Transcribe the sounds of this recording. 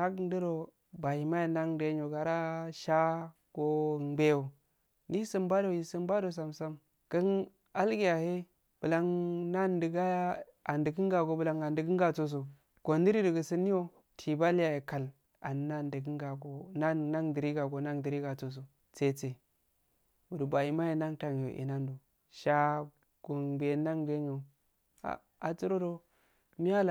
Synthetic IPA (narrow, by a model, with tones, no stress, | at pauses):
a˦ɡn˦də˦ɾo˨ | ba˨hi˨ma˦ja˨na˦ŋde˦o˨ɡa˨ɾa˦ʃa˦ | ɡ̥o˦˨˦ɡ͡be˦o˨ | ni˦sə˦mba˦do˨ji˨sə˦mba˦do˨s̬a˨msa˦m | ɡ̥ə˦n | a˦lɡi˦˨ja˨he˦ | b̥ə˨la˦ŋna˦ndə˨ɡa˦ja˦ | a˨ndə˨ɡə˦ŋ˦ɡa˨ɡo˨bə˨la˨ŋa˨ndə˨ɡə˦ŋ˦ɡa˨t͡so˨s̬o˨ | ɡ̥o˨ndi˦ɾi˦də˨ɡə˨sə˦ni˦o˦ | tʰi˨ba˦lja˨je˨ka˨l | a̰˨nː˨a˦ndə˨ɡi˦ŋɡa˨ɡo˨na˦na˦ŋdi˨ɾi˦ɡa˨ɡo˨˦na˦ŋdi˨ɾi˦ɡa˨t͡so˨s̬o˨ | t͡se˦˨t͡se˨ | wu˨dba˨i˦ma˦je˨na˦ŋta˨ŋ˨jo̰˨ʔḭ˨na˦ndu˨ | ʃa˦ | ɡ̥o˨nbe˨˦na˦ŋɡe˦ŋe˨ | a̰˨ | a˨t͡su˦ɾo˦ɾo˦ | mi˦a˦l